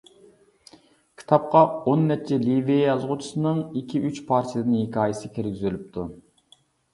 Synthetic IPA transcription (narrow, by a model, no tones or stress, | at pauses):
kʲʰi̥t̪ʰɑp̚qɑonːɛt͡ʃʰɛliviejɑzʁʊt͡ʃʰi̥sɨnɨŋikʲʰiyt͡ʃpʰɑɾt̪ʰijəd̪ɨnhekʰʲɑːjɪsɪkʲʰeɾɡʲizylyp̚t̪ʰu